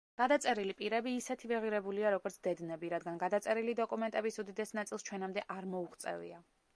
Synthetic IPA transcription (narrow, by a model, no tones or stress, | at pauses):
ɡ̥ad̪at̪sʼɛɾilipʼiɾɛbiːsɛt̪ʰivɛʁiɾɛbuliaɾɔɡɔɾt̪sʰd̪ɛd̪nɛbiɾad̪ɡanɡad̪at̪sʼɛɾilid̪ɔkʼumɛnt̪ʼɛbisud̪id̪ɛsnat̪sʼilˠst͡ʃʰwɛnamd̪ɛʔaɾmɔuʁt̪sʼɛ̰vḭa